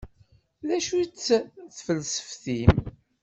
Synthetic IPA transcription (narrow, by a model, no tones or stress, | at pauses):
ðæʃut͡sːθfəlsə̥fθim